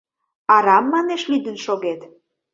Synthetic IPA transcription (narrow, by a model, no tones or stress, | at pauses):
ɑɾɑmːɑneʃlyd̪ənʃoɣet̪